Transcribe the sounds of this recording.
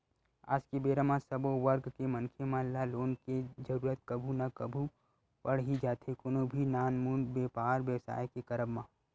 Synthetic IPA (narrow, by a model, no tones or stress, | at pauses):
a̰ːd͡ʒkebeːɾəmãsɐboʋəɾɡkemə̃nkʰemãnlaloːnked͡ʒɐɾuːɾət̪̚kɐbʱunɐkɐbʱu | pɐɽ̤ɦid͡ʒaːt̪ɦekoːnobʱinaːnmuːnbeːpaːɾʋjəʋsa̰ːjkekɐɾəbmãː